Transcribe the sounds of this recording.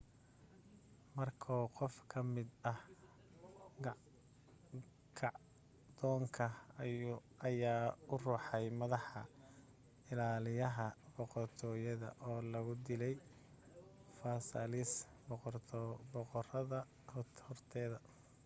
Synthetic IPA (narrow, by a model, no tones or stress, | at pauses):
mɐrkʰɔːqɔfkʰɐmɪd̪ɐh | ɡ | kʰɑʕ | d̪̥ɔːŋkʰɐ | ɐjaːʊruːħɑjmɐðɑħɑ | ɪlaːlɪjɐɦɐbɔqɔrt̪ʰɔːjɐðɐ̰ʔɔːlɐɣʊd̪ɪlɛj | faːsɐlɪs | bʰ | bɔqɔrɐðɐ | hhɔrt̪ʰɛːðɐ